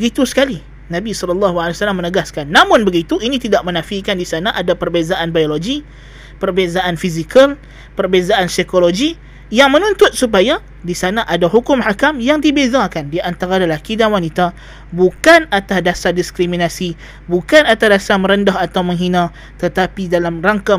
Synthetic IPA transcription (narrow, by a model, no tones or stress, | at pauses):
bəɡit̪usə̥kali | nãbisɔlɔlːɑɦualewasalamːənəɡaskanːamʊnbəɡit̪uʔinĩt̪idaʔmənafikandisanaʔadapərbezaʔanbajoloɡi | pərbezaʔanfizikal | pərbezaʔansikoloɡi | jaŋmənunt̪ʊt̪̚sup̬aja | disanaʔadaɦukʊmhakamjaŋdibezakandiaʔant̪aɾadalakidanwanit̪a | bukanat̪asdasadiskɾiminasi | bukanat̪asdasamə̃ɾəndaɦat̪awməŋɦinã | t̪ət̪apidalamraŋka